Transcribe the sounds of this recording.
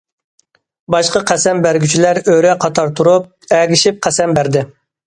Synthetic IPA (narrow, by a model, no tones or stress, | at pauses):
bɑʃqɑqʰæsɛmbæɾɡʲyt͡ʃʰilæɾøɾɛqʰɑt̪ʰɑɾt̪ʰuɾup̚ɛɡʲiʃip̚qʰæsɛmbæɾd̪ɪ